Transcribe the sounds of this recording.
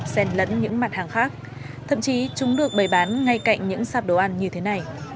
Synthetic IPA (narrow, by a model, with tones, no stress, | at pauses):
sɛ˧˩nlə̰˧˥nɲɨ̰˧˥ŋmaː˨˩t̚haː˨˩ŋxaː˦˥k̚ | t̪ʰə̰˧˨mt͡ɕi˨˦t͡ɕʊ˨˦ŋ͡mɗɨ˨˩ək̚ɓə˨˩jɓaː˨˦nŋa˧jka̰˧˨jŋ̟ɲɨ̰˧˥ŋsaː˧˥p̚ɗo˨˧˩ʔa˧˩nɲɨ˧t̪ʰe˨˦na˨˩j